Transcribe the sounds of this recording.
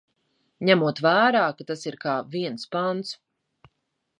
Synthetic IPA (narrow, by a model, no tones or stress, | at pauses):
ɲæmuɔt̪væːɾaːkat̪asiɾkaːviɛnspant̪s